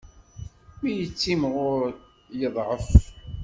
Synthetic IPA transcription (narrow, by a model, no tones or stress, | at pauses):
mijət͡sːimʁʊɾ | jəðˤʕəf